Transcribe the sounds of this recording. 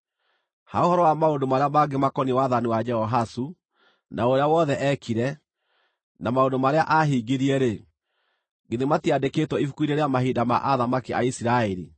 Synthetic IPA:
ha̰ohɔɾɔwamaondomaɾeamaɡemakɔniwaðaniwad͡ʒɛhɔɦasu | naoɾeawɔðɛʔɛkʰiɾɛ | namaondomaɾeaʔaɦiːɡeɾiɛɾe | ɡeðematiadeketwɔifukuiɾeɾeamahidama̰ʔaðamakia̰isiɾaɛɾi

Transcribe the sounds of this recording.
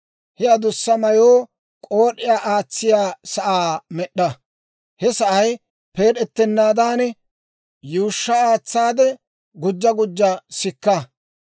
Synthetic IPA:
hɛjɐd̪ʊsːɐmɐjoː | kʼoːɗɪjaːʔaːt͡sːɪjaːsɐʔaːmɛɗːɐ | hɛsɐʔɐj | pe̞ːɗɛt̪ːɛnːaːd̪aːnɛ | juʊʃːɐaːt͡sːaːd̪ɛ | ɡʊd͡ʒːɐɡʊd͡ʒːɐsɪkːɐ

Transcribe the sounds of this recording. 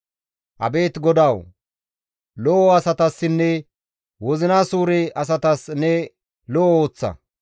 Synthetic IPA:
ʔɐ̰be̞ːt̪ɡɔd̪ɐw | lɔʔɔɐsɐt̪ɐsːɪnːɛ | wɔzɪnaːsuːɾɛɐs̬ɐt̪ɐsnɛ | lɔʔɔoːt͡sːɐ̰

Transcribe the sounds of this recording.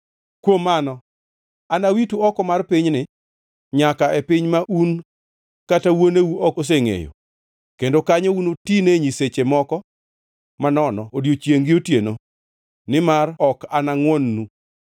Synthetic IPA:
kwomːanɔ | anawituɔkɔmarpɪɲnɪ | ɲakaʔepɪɲmaʔun | katawonewuɔos̬eŋḛjo̰ | kendokaɲounotineɲiset͡ʃemɔkɔ | manɔnɔodjot͡ʃjeŋɡɪotjeno | nɪmarɔkanaŋwɔnːu

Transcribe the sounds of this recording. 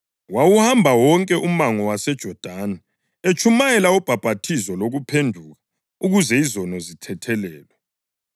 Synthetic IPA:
wawuhambʱawɔŋkʼɛʔumaŋɔwasɛd̥ʒ̥ʱɔd̥ʱaːna | et͡ʃʼʰumajɛlaɔb̥ʱab̥ʱatʰizɔloɣupʰendʱuɣa | uɣuzɛizɔnɔzitʰɛtʰɛlɛːlwɛ

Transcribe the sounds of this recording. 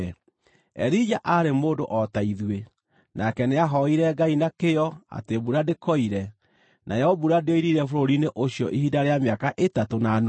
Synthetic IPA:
ɛ̰ɾid͡ʒaʔaɾemoːdoʔɔtaiðwe | nʔakɛneaɦɔiɾɛɡainakejɔa̰tebuɾadekɔiɾɛ | nʔa̰jɛobuɾadeoiɾiɾɛfoɾoɾineʔoɕjɔʔihidaɾeameakaʔetatonano

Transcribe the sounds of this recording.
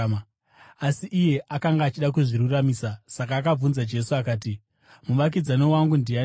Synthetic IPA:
asiʔije̞ʔakaŋɡaːt͡ʃiɗak̬uʐiɾuramisasak̬aːkab͡vunzad͡ʒe̞suakaːt̬i | muʋak̬id͡zano̞waŋɡundia

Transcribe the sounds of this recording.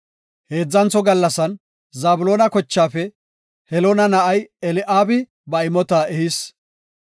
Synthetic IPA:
he̞ːd͡zːɐnt͡sːɔɡɐlːɐsɐn | zaːbʊlo̞ːnɐkɔt͡ʃːaːfɛ | hɛloːnɐnɐʔɐjɛlɪʔaːbɪ | bɐɪmɔt̪aːʔɛhɪs

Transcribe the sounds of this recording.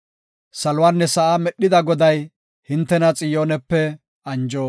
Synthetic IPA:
sɐlʊwanːɛsɐʔamɛɗːɪd̪ɐɡɔd̪ɐj | hɪnt̪ːɛnɐt͡sʼɪjoːnɛpːɛ | ɐnd͡ʒoː

